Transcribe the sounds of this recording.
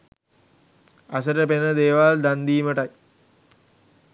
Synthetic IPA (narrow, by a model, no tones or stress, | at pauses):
asəɾəpenəd̪eːʋald̪and̪iːməʈaj